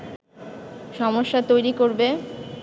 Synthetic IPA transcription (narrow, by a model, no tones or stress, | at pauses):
ʃɔmoʃːat̪ojɾikoɾbe